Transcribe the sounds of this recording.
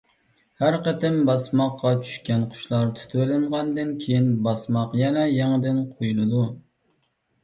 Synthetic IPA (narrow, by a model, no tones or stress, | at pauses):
hæɾqət̪ɪmbɑsmɑqːɑt͡ʃʰy̥ʃkʲɛnqʰʊ̥ʃlˠɑɾt̪ʰy̥t̪ʰølɪɴʁɑnd̪ɨnkʲʰejinbɑsmɑqjɛnɛjɛŋɪd̪ɪnqʰojulˠɨd̪u